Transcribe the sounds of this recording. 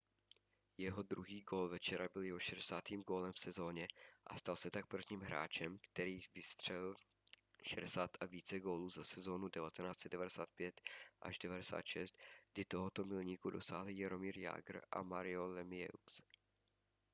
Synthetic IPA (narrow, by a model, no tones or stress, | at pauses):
jɛɦo̞d̪ɾuɦiːɡo̞ːlvɛt͡ʃɛɾabɪljɛɦoʃɛdɛsaːt̪iːmɡo̞ːlɛmfsɛzo̞ːɲɛʔa̰st̪alsɛt̪ak̚pr̩vɲiːmɦɾa̰ːt͡ʃɛmkt̪ɛɾiːvɪst̪r̝̥ɛll | ʃɛdɛsaːt̪ʔaviːt͡sɛɡo̞ːluːzasɛzo̞ːnudɛvat̪ɛnaːt͡sɛdɛvadɛsaːt̪̚pjɛt̪ʔa̰ʒdɛvadɛsa̰ːt̪ʃɛst̪ɡ̥dɪt̪oɦo̞t̪o̞mɪlɲiːkudo̞̰sa̰ːɦlɪjaɾo̞miːɾja̰ːɡr̩ʔa̰maɾɪolɛmɪjɛ̰us